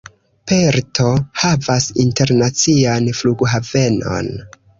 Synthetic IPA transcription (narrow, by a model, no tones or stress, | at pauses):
pe̞ɾtʰo̞havasinte̞ɾnat͡sianfluɡɦave̞no̞̰n